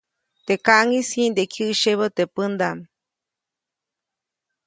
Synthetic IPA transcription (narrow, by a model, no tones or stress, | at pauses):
t̪ekaʔŋisĩnd̪ekʰɨʔʃeβot̪epɨnd̪am